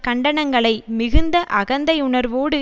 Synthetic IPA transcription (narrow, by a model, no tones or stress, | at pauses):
kɐɳɖɐɳɐŋɡɐɭɐɪmɪɣɯnd̪ɐʔɐɣɐnd̪ɐɪʊɳɐɾʋoːɽɯ